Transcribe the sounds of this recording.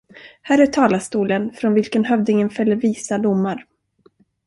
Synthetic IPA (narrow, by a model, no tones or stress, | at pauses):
hæːɾæʈʰɑːlast̪uːlənfɾɔnvɪlkənhœvd̪ɪŋənfɛlːəɾviːsad̪ʊmːaɾ